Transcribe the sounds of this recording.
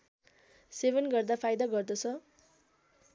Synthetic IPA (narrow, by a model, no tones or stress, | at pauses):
sebʌnɡʌrd̪apʰajd̪aɡʌrd̪ʌt͡sʰʌ